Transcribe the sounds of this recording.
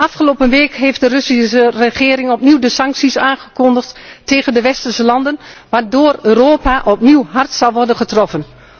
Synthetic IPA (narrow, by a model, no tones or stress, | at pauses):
ʔɑfχəloːpənʋeːkɦejftdərɵsisərəχɪːɾɪŋɔpniwdəsɑŋksisaːnχəkɔndəχteːɣəndəʋɛstərsəlɑndənʋaːdoːrøːroːpaʔɔpniwɦɑrtsɑlˠʋɔrdənχətrɔfən